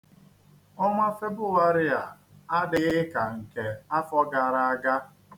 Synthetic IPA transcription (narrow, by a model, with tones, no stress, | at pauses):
ɔ˦ŋʷa˦fe˦bʊ˦wa˦ɾɪ˦ja˨ | a˦dɪ˨ɣɪ˦ka˨ŋ̩˨ke˨a˦fɔ˦ɡa˨ɾa˦a˦ɡa˦